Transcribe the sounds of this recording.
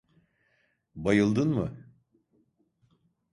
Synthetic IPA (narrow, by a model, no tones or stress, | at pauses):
bajɯlˠd̪ɯnmɯ